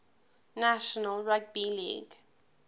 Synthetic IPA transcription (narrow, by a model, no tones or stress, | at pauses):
naʃɔnəlɹak̚bilḭɡ